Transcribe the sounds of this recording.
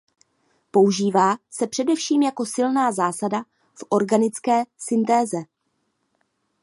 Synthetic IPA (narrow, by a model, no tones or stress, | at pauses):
po̞uʒiːvaːsɛpr̝̥ɛdɛfʃiːmjako̞sɪlnaːzaːsada | fʔo̞ɾɡanɪt͡skɛːsɪnt̪ɛːzɛ